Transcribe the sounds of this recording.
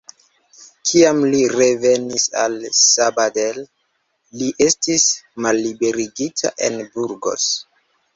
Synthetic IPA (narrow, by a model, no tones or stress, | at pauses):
kʰiamliɾe̞ve̞nisa̰lsabadel | liʔe̞stismalːibe̞ɾiɡitʰa̰ʔe̞̰nbuɾɡo̞̰s